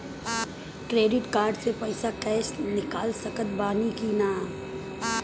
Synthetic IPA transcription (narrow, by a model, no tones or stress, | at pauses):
kɾeːɖɪʈkaːɾɖsepɐɪsakɛːsnɪkaːlsəkət̪baːnikinaːm